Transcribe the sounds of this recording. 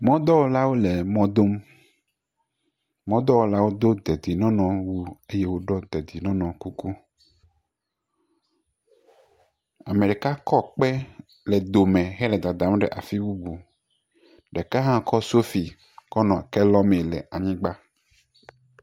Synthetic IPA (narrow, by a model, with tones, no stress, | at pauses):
mɔ̃˦d̪ɔ˦wo˦la˦wo˦lɛ˨mɔ̃˦d̪o˦m | mɔ̃˦d̪ɔ˦wo˦la˦wo˦d̪o˦d̪ɛ˨d̪i˨nɔ̃˦nɔ̃˨wu˦e˦je˦wo˦ɖɔ˦d̪ɛ˨d̪i˨nɔ̃˦nɔ̃˨ku˦ku˦ | a̰˨me˨ɖɛ˨ka˦kɔ˦k͡pɛ˦ | lɛ˨d̪o˨mɛ̃˨ɦɛ˦lɛ˨d̪a˨d̪a˨m˦ɖɛ̰˨ʔa˨fi˦wu˦bu˨ | ɖɛ˨ka˦ɦã˦kɔ˦so˦fi˨ | kɔ˦nɔ̃˨kɛ˦lɔ˦mɛ˨lɛ̰˨ʔa˨ɲĩ˦ɡ͡ba˦